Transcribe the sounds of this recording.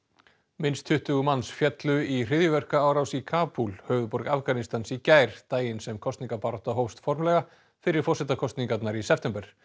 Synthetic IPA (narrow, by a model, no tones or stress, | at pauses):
mɪnst̪ʰʏht̪ʏɣʏmansfjɛt̪lʏir̥ɪðjʏvɛr̥kaaːwɾawsikʰaːpulhœɥvðʏpɔɾkafɡanist̪ansicaːjɾ̥t̪aːjɪnsɛmkʰɔst̪niŋkapaɾɔht̪aɦowst̪fɔɾmlɛɣa | fɪɾɪɾ̥fɔrsɛt̪akʰɔst̪niŋkat̪naɾisɛp̚ʰt̪ɛmpɛɾ̥